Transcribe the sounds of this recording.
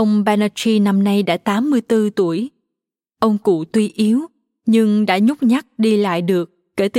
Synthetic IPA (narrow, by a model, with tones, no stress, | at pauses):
ʔə˧wŋ͡mɓɛ˧na˧t͡ɕi˧na˧mna˧jɗa̰ː˧˥t̪aː˨˦mːɨ˧əjt̪ɨ˧t̪u˧˩əj | ʔə˧wŋ͡mkṵ˧˨t̪wi˧ʔi˨˦əw | ɲɨ˧ŋɗa̰ː˧˥ɲʊ˦˥k͡p̚ɲa˦˥k̚ɗi˧la̰ː˧˨jɗɨ˨˩əkːe˧˩t̪ɨ˨˩